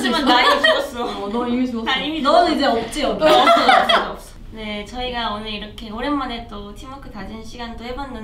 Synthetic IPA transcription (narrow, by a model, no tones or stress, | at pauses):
d͡ʑimaasʰs͈onʌimisʰʌiminʌnɯid͡ʑeop̚t͡ɕ͈iʌp͈̚ʌʌs͈ʌʌʌ | ne̞t͡ɕʌiɡaonɯɾiɾʌkʰe̞oɾenmanet͈otʰimʌkʰɯtad͡ʑinɕʰiɡandohe̞banːɯn